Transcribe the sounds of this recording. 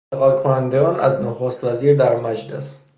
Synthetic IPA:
eɣɒːlkʰonænd̪eɡɒːnʔæ̰znoxost̪væziːɾd̪æɾmæd͡ʒles

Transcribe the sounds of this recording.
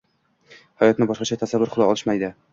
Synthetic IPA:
hajɒt̪nɪbɒʃqɑt͡ʃʰat̪ʰasavːʊɾqʰʊd̪ɒɒlˠɪʃmajd̪ɪ

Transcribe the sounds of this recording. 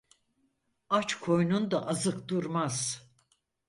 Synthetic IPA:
at͡ʃkʰo̞jnund̪aʔazɯkd̪uɾmaz̥

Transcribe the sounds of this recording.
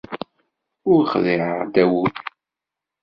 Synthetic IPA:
ʊɾχðiʕəd̪æwuθ

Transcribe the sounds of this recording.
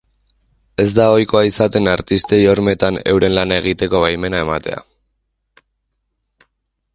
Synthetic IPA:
e̞zd̪ao̞jko̞aisat̪e̞naɾt̪ist̪e̞jo̞ɾme̞t̪ane̞̰wɾe̞nlanae̞ɣ̞it̪e̞ko̞βajme̞nae̞mat̪e̞̰a̰

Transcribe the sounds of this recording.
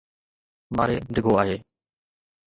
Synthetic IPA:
maːɾḛːɖʱɪɡʱoːaːɦeː

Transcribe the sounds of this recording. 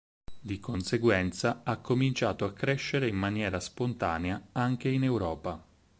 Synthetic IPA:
d̪ikonseɡwɛnt̪saakːomint͡ʃaːt̪oakːɾeʃːeɾeimːanjɛːɾaspont̪a̰ːneaaŋk̟einewɾɔːpa

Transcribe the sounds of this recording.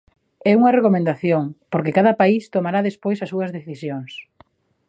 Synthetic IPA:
ɛuŋɐrekomẽnd̪aθjoŋpoɾkɪkaðɐpaist̪omaɾaðespojsɐsuɐzðeθisjoŋs

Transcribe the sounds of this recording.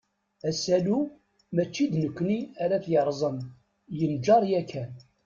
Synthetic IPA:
æsælu | mæt͡ʃːid̪nəkʷːniæɾæθjəɾˤzˤən | jənd͡ʒɑɾˤjækʰːæn

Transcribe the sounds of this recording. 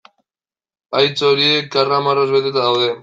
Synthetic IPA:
ajt͡soɾiek̚ɡaramarozβe̞t̪e̞t̪aðawðe̞

